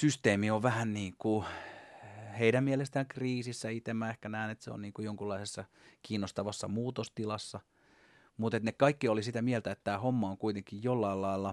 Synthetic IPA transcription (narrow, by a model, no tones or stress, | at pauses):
syst̪eːmioʋʋæhænniːŋku | heiɾæmmielest̪æŋkriːsisːæit̪emːæehkænæinet̪sḛo̰nniːŋkujoŋkulːɑisesːɑ | kiːnːost̪ɑʋɑsːɑmuːt̪ost̪ilɑsːɑ | mut̪et̪nekkɑikːiolisit̪æmielt̪æet̪ːæːhomːɑoŋkuit̪eŋkijjolːɑilɑilːɑ